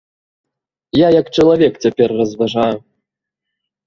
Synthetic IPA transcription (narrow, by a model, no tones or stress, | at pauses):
jajakt͡ʂɐlˠavʲɛkt͡sʲapʲɛrːɐzvaʐaju